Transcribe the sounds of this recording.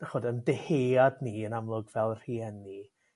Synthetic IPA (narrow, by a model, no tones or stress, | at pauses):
aχɔdəndeheːadniənamlˠʊɡvɛlˠr̥iɛnːi